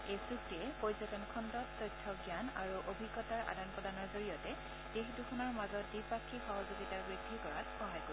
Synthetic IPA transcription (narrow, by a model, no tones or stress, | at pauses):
esuk̚tiɛpoɹjzɔtɔnkʰɔndɔttɔjtʰːɔɡjanaɹuʔobʱiɡːɔtaɹa̰danpɹɔdanɔɹzoɹijɔtɛ | d̥exduxʰunɔɹmazɔt̚dipakʰːixɔɦɔzuɡitaɹbɹidʱːikɔɹatxɔɦajko